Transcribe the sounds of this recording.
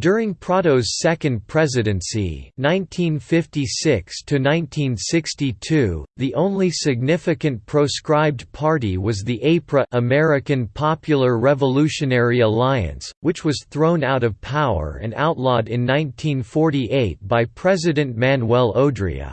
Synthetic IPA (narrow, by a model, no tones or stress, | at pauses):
d̥ʊɹɪ̃ŋpʰɹ̥ɑɾoʊz̥sɛkɨ̃n̚pʰɹ̥ɛzɨɾɨ̃nsḭnãɪ̃ntʰĩnfɪftisɪkstʰɨnãɪ̃ntʰĩnsɪkstitʰʉðiʔõʊ̃nlisɨɡ̚nɪfɨkɨ̃npʰɹ̥oʊskɹaɪb̚dpʰɑɹɾiwʌzðiʔeɪpʰɹəʔəmɛɹɨkɨ̃npʰɑpjl̩ˠə˞ɹɛvəlʉʃɨnɛɹiəlaɪɨ̰̃nswɨt͡ʃwʌz̥θɹõʊ̃naʊɾʌv̥pʰaʊə̰˞ɨ̰̃na̰ʊtˡlɔɾɪ̃nːãɪ̃ntʰĩnfɔɹɾiʔeɪt̚b̥aɪpʰɹ̥ɛzɨɾɨ̃nmæ̃nwɛlˠoʊdɹḭɨ̰